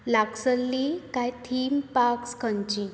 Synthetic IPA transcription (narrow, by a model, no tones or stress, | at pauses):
laksəlːikajt̪ʰiːmpakskʰəɲt͡ɕi